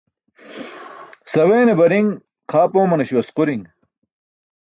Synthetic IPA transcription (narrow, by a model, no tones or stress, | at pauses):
sɐweːnebɐɾiŋ | qʰaːpoːmɐnɐɕuɐsquɾiŋ